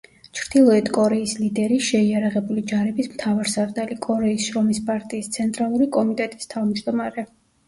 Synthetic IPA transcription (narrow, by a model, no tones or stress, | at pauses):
t͡ʃʰɾd̪̥ilˠɔɛt̪ʰkʼɔɾɛislid̪ɛɾiʃɛiaɾaʁɛbulid͡ʒaɾɛbismt̪ʰavaɾsaɾd̪alikʼɔɾɛisʃɾɔmispʼaɾt̪ʼiːst̪sʰɛnt̪ʼɾalˠuɾikʼɔmit̪ʼɛt̪ʼi̥st̪ʰavmd͡ʒd̪ɔmaɾɛ